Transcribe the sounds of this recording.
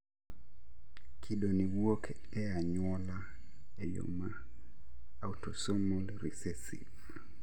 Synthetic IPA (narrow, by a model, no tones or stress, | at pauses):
kʰiɗoniwok | ɛaɲwɔla | ɛjo̰ma | autɔsomulɾisɛsḭv